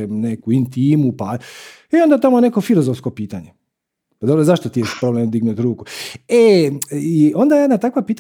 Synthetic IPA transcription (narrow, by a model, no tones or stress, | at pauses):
enekuint̪iːmupa | io̞nd̪at̪amoene̞ko̞filˠo̞zofsko̞piːt̪aɲe | pad̪obɾozaʃt̪ot̪ijespɾoblemd̪iɡnuːt̪ɾuːkueio̞nd̪ajed̪nat̪akʋapiːt̪